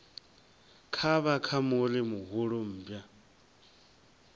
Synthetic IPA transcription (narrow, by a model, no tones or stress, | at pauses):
kʰaβakʰamolɪmuɦʊɺom̩ːbja